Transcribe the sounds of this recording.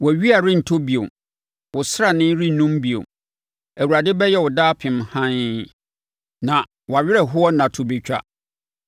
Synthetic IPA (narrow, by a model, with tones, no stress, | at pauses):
wɔ˨æ˨ɥi˦a˨ɾɪ̃˦n̩˨tʰo˦bi˨o̰˨ | wʊ˨sɾa˨nɪ̃˦ɾi˦nũ˦mbi˨o̰˨ | æ˨wu˨ɾa˨dɪ˦bɛ˦jɛ˦wʊ˨daː˦pʰɪ̃˨mhã˦n | nã˨ | wa˨ɥɪ˦ɾɛ˨ɦʊ˦ɔ˦nã˨tʰʊ˨be˨t͡ɕᶣa̰˦